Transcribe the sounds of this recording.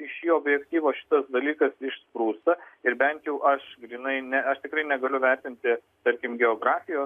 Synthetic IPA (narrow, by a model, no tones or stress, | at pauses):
ɪʃjiːoːbʲjɛkt̪ʲiːʋoːʃʲɪ̥t̪ɐsd̪ɐlʲiːkɐsɪʃspɾuːst̪ɐɪɾbʲɛnt̪jɛʊʔɐʃɡɾʲiːnɐɪnʲɛɐʃt̪ʲɪkɾɐɪnʲɛɡɐlʲʊʋʲɛɾʲt̪ʲɪnʲt̪ʲɪ | t̪ɐɾʲkʲɪmɡʲɛoːɡɾɑːfʲɪjoː